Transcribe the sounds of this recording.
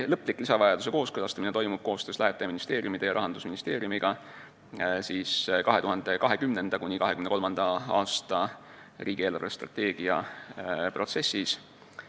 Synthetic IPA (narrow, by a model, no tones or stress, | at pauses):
lɤ̞pːˑlikːlisɑvɑjɑd̪̥use̞ko̞ːskɤlɑst̪ɑmine̞t̪o̞jmub̥ko̞ːst̪øːslæɦet̪ːˑeminist̪e̞ːɾjumid̪e̞jɑɾɑɦɑnd̪usminist̪e̞ːɾjumiɡ̥ɑ | siːskɑɦe̞t̪uhɑnd̪e̞kɑɦe̞kymne̞nd̪̥ɑkunʲikɑɦekymneko̞lmɑnd̪̥ɑɑ̰ːst̪ɑ | rʔiːɡieːlɑrvest̪rɑ̰t̪ːe̞ːɡ̥iɑ | pro̞t̪se̞sːis